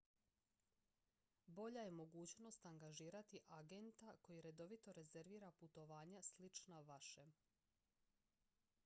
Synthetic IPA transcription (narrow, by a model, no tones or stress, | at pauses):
bo̞ʎaje̞mo̞ɡuːt͡ɕno̞st̪aŋɡaʒiːɾat̪iʔaɡent̪ako̞jiɾe̞d̪o̞ʋit̪o̞ɾe̞zeɾʋiːɾaput̪o̞ʋaːɲaslit͡ʃnaʋaʃe